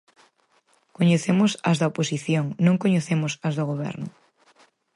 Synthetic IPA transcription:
koɲeθemosɐ̰zðɐoposiθjoŋnõŋkoɲeθemosɐzðoɣ̞oβ̞ɛ̰ɾnʊ

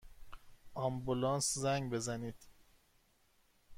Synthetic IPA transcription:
ʔɒmbulɒːnszæŋɡbe̞zæniːd̪̥

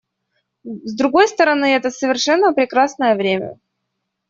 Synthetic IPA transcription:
zd̪ɾʊɡo̞jst̪əɾɐnɨɛt̪əsəvʲɪrʂɛnːəpɾʲɪkɾasnəjəvɾʲemʲə̰

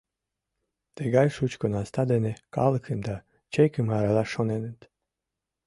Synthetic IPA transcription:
t̪eɡajʃut͡ɕkonast̪ad̪eneka̰lˠkʰɨmd̪a | t͡ɕekɘmaɾalˠaʃonenet̪

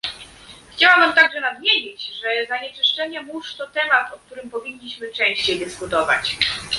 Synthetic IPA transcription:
xt͡ɕawambɘmt̪aɡʐɛnad̪mʲjeɲit͡ɕʐɛzaɲɛt͡ʂɘʂt͡ʂɛɲɛmuʂt̪ɔt̪ɛmat̪ɔk̚t̪uɾɘmpɔvʲiɲːiɕmɘt͡ʂɛ̃w̃ɕt͡ɕejd̪ɘskut̪ɔva̰t͡ɕ

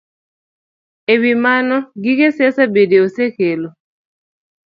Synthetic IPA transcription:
ewimanɔɡɪkesɛsabedeosekelo

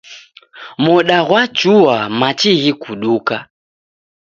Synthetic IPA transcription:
mɔɗaɣwat͡ʃuwamat͡ʃiɣikuɗuka

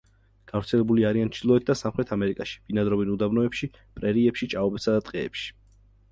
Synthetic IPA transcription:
ɡ̥avɾt̪sʰɛlɛbuliaɾiant͡ʃʰilˠɔɛt̪̚ʰd̪asamχɾɛt̪ʰamɛɾikʼaʃi̥binad̪ɾɔvinud̪abnɔɛpʃi | pʼɾɛɾiɛpʃit͡ʃʼaɔbɛpsad̪at̪ʼqʼɛɛpʃi̥

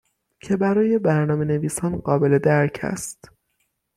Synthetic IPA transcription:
cʰe̞bæɾɒːje̞bæɾnɒːme̞ne̞viːsɒːnɢɒːbe̞le̞d̪æɾcʰæ̰st̪

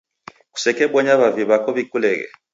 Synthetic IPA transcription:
ku̥sɛkɛɓɔɲaβaviβakɔβikʰʼulɛːkɛ̰

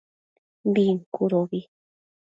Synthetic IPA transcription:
biŋkuɾoβi

